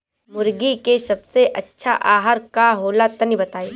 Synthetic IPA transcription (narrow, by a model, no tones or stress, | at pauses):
mʊɾɡikesɐbseʔɐtːʃʰaʔaːɦəɾkaɦoːlat̪ɐnibɐt̪aːeː